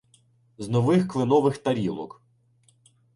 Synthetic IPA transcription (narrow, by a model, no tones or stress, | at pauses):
znɔʋɪxklˠɪnɔʋɪxt̪ɐɾʲilˠɔ̰k